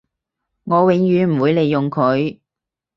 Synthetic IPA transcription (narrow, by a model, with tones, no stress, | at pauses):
ŋɔː˨˧wɪ˨˧ŋjyː˨˥nm̩˨˩wuː˨˧jle˨˧jːʊ˨ŋkʰɵ˨˧ɥ